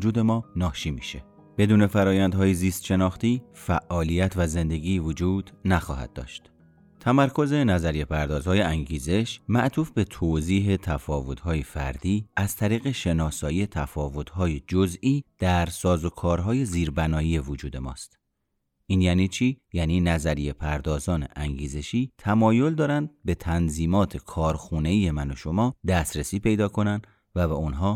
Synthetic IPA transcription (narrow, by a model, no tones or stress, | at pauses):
d͡ʒuːd̪e̞mɒːnɒːʃiːmiːʃe | b̥e̞d̪uːne̞fæɾɒːjænd̪hɒːjeziːst̪ʃe̞nɒːxt̪iːfæʔːɒːlijæt̪ʰvæze̞nd̪e̞ɡiːvod͡ʒuːd̪̥næxɒ̰ːhæ̰d̪̚ːɒ̰ːʃt̪ | t̪ʰæmæɾkʰo̞ze̞næzæɾije̞pʰæɾd̪ɒːzhɒːjeæŋɟiːze̞ʃmæʔt̪ʰuːfbe̞t̪ʰoziːɦet̪ʰæfɒːvo̞t̪hɒːjefæ̰ɾd̪iːæz̥t̪ʰæɾiːɣe̞ʃe̞nɒːsɒːjiːet̪ʰæfɒːvo̞t̪ʰhɒːjed͡ʒozʔiːd̪̥æɾsɒːzo̞kʰɒːɾɦɒːje̞ziːɾbænɒːjiːje̞vod͡ʒuːd̪e̞mɒ̰ːst̪ | ʔiːnjæːniːt͡ʃʰiːjæːniːnæzæɾije̞pʰæɾd̪ɒːzɒːne̞̰ʔæŋɟiːze̞ʃiːt̪ʰæmɒːjo̞ld̪ɒːɾænd̪̚be̞t̪ʰænziːmɒːt̪ʰe̞kʰɒːɾxuːne̞iːje̞mæno̞ʃo̞mɒːd̪æsɾesiːpʰe̞jd̪ɒːkʰo̞nænd̪ | væbeonɦɒː